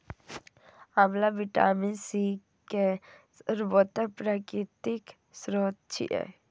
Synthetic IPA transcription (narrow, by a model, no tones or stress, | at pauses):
amlabiʈa̰ːminsi | ke | ɾbot̪əpɾakit̪ik | sɾot̪t͡ʃʰḭʔɛ̰